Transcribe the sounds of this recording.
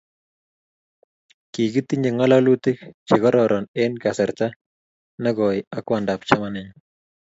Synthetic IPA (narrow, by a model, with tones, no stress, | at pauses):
ki˨ɡi˦t̪i˦ɲe˨ŋɔ˦lalu˦t̪i˦k̚t͡ʃe˨ɣɔ˦ɾɔɾʔɔnenkasɛ˨ɾt̪a | na˦ɡɔ˨jakwanda˨pt͡ʃamanɪɲ